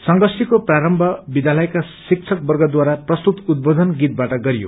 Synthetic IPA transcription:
sʌŋɡʌsikopraɾʌmbʱʌbid̪jalʌjkasik̚t͡ʃʰʌk̚bʌrɡʌd̪waɾaprʌst̪ut̪ud̪̚bod̪ʱʌnɡit̪̚baʈʌɡʌɾijo̰

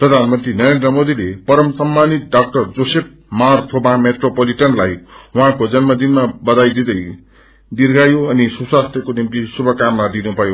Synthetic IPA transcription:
prʌd̪ʱanmʌnt̪rinʌɾend̪rʌmod̪ilepʌɾʌmsʌmːanit̪̚ɖak̚ʈʌrd͡zosep̚marpʰobãmeʈropoliʈʌnlajuɦãkod͡zʌnmʌd̪inmabʌd̪ajd̪id̪ʌj | dirɡajoʌnisubswast̪jʌkonimkisubʱʌkamːad̪inupʌjo

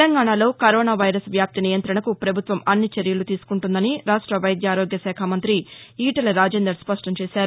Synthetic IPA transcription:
lɐŋɡaːɳalo̞ːkɐɾoːnaːʋɐjɾɐsʋjaːp̚t̪inijɐnt̪ɾɐɳɐkupɾɐbʱut̪ʋɐmɐnːit͡ʃeɾjɐlut̪iːsu̥kuɳʈund̪ɐniɾaːʂʈɾɐʋɐjɐd̪jaːɾoːɡjɐsɛːkʰaːmɐnt̪ɾiiːʈɐlɐɾaːd͡ʒeːnd̪ɐɾspɐʂʈɐmt͡ʃeːsaːɾu

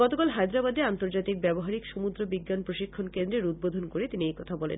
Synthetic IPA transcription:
ɔt̪okalɦajd̪ɾabad̪eant̪oɾd͡ʑat̪ik̚bɛboɦaɾikʃomud̪ɾobiɡːanpɾoʃikʰːonkend̪ɾeɾud̪̚bod̪ʱonkoɾet̪iniejkɔt̪ʰabɔlḛn

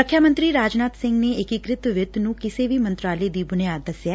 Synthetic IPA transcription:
əkʰːjaːmə̃nt̪ɾiːɾaːd͡ʒnaːt̪sɪ̃ŋɡneːɪkɪkɾɪt̪ʋɪt̪nũːkɪseːʋiːmə̃nt̪ɾaːleːd̪iːbʊnijaːd̪̚d̪əsjaː

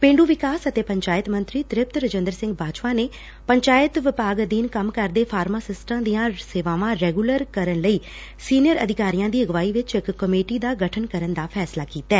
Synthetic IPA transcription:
pẽːɳɖuːʋɪkaːsət̪eːpəɲt͡ʃaːɪt̪mə̃nt̪ɾiːt̪ɾɪp̚t̪ɾəd͡ʒənd̪əɾsɪ̃ŋɡbaːd͡ʒpãːneː | pəɲt͡ʃaːɪt̪ʋɪpaːɡd̪iːnkəmkəɾd̪eːpʰaːɾmaːsɪsʈãːd̪ijãːseːʋaːʋãːɾɛːɡuːləɾkəɾənləiː | siːnɪjəɾə̰d̪ʱɪkaːɾijãːd̪iːəɡʋaːiːʋɪt͡ʃɪkːəmeːʈiːd̪aːɡəʈʰənkəɾənd̪aːpʰɛːslaːkiːt̪ɛː

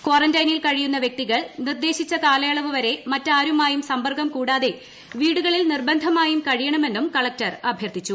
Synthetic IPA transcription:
koːrɐndɐjnilkɐɻijunːɐʋjek̚t̪iɣɐɭnird̪e̞ːɕit͡ɕːɐkaːlɐjɐɭɐʋuʋɐɾe̞mɐtːaːɾumaːjumsɐmbɐrɡɐmkuːɽaːðe̞ | ʋiːɽuɣɐɭilnirbɐnd̪ʱɐmaːjumkɐɻijɐɳɐme̞nːumkɐɭɐk̚tɐrɐbʱjɐrt̪ːit͡ɕːu

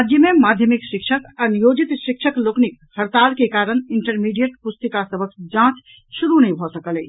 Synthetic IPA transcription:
ɾad͡ʒjəmemad̪ʱjəmikʃikʃʰəkanijod͡ʒit̪ʃikʃʰəkloknik | həɾt̪alkekaɾəniɳʈəɾmiɖijəʈpust̪əkasəbʱəkd͡ʒãt͡ʃ | ʃuɾunəĩbʱɔsəkəlɛ

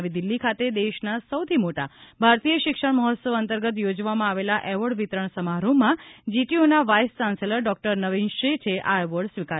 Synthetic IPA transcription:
ʋid̪ilːikʰat̪ed̪eʃnasəwt̪ʰimoʈa̰bʱaɾt̪ijəʃɪkʂəɳ̃məɦət̪səʋənt̪əɾɡət̪jod͡ʒʋamãaʋelaʔɛʋəɽʋit̪ɾəɳ̃səmaɾõmãd͡ʒiʈionaʋajst͡ʃãnseləɾɖɔk̚ʈəɾnəʋinʃit͡ʃʰeʔaʋəɽsʋika

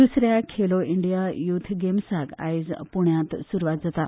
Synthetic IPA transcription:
d̪usɾjakʰeloiɳɖijajut̪ʰɡemsaɡa̰jzpuɳjãt̪suɾʋat̪̚d͡zat̪a

